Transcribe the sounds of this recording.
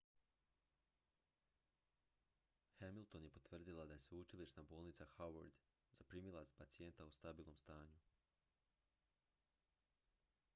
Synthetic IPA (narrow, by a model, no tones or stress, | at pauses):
xemilˠt̪o̞nje̞po̞t̪ʋr̩d̪ilˠad̪aje̞seut͡ʃiliʃnaboːlˠnit̪saxawo̰ɾd̪ | zapɾiːmilˠazpat̪sije̞nt̪aust̪abiːlˠno̞mst̪aːɲu